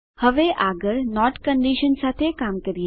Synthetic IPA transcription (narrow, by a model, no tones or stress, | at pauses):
həʋeʔaɡəɾnɔʈkə̃ɳɖiʃənsat̪ʰekamkəɾije